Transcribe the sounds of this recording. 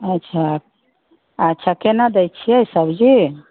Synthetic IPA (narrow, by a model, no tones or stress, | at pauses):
ətːʃʰa | ətːʃʰakenad̪ɛjt͡ʃʰiɛjsəbd͡ʒi